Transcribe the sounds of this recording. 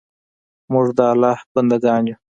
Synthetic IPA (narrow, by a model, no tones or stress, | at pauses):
mʊʐd̪əalɑːhbɐnd̪aɡɑːnju